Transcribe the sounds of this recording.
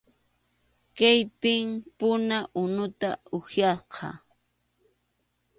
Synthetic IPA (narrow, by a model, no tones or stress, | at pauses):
kajpɪmpʊnaʔʊnʊt̪aʊxjasqʰɑ̰